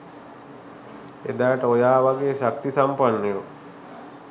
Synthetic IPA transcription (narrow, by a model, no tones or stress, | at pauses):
ḛd̪aːʈəojaːʋaɡeːʃakt̪isampanːiʋo